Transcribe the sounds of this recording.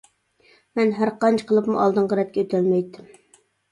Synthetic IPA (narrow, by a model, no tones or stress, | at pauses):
mɛnɦæɾqɑnt͡ʃʰqʰəlˠɨpmṵʔɑlˠd̪ɨɴʁɑɾɛt̪̚kʲɛøt̪ʰɛlmɛjt̪ːɪm